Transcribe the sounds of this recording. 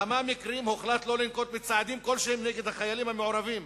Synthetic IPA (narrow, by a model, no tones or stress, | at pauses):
amamikʁiimhoχlat̪lo̞linko̞t̪met͡saʕad̪imko̞lʃehemneɡed̪haχajalimhameʕoʁavim